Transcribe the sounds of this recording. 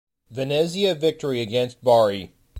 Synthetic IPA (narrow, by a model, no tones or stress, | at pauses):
vɨnɪziɨvɪk̚tə˞iɨɡɛ̃nst̚b̥ɑɹi